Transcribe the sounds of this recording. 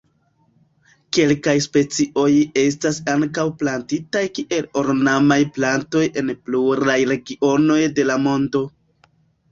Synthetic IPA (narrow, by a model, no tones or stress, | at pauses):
ke̞lkajspe̞t͡siʔo̞je̞s̬tasaŋkawplantitajkiʔe̞lo̞ɾnamajplanto̞je̞npluɾajɾe̞ɡio̞no̞jde̞lamo̞ndo̞